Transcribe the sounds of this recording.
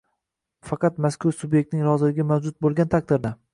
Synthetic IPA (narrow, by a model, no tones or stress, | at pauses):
fɑqʰɑt̪maskʊɾsʊbje̞kt̪nɪŋɾɒzɪlɪɡʲɪmawd͡ʒʊt̪̚bolˠɡʲant̪ʰak̚ʲd̪ɪɾd̪a